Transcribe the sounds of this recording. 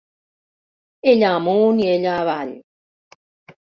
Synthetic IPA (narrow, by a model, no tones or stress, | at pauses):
eʎamoːnieʎaβaʎ